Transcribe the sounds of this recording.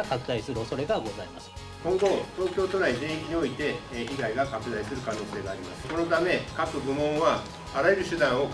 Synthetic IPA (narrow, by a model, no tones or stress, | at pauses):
akakɯ̟d̪aisɨɾɯ̟o̞so̞ɾe̞ɡaɡo̞zaimasɨ̥ | kõ̞ŋɡo̞t̪o̞ːkʲo̞ːt̪o̞naizẽ̞ɰ̃ikʲiɲ̟io̞it̪e̞çiɡaiɡakakɯ̟d̪aisɨɾɯ̟kano̞ːse̞ːɡaːɾʲimasɨ̥ko̞no̞t̪ame̞kakɯɡɯ̟mõ̞ɰ̃βa | aɾae̞ɾɯ̟ɕɨd̪ãɰ̃o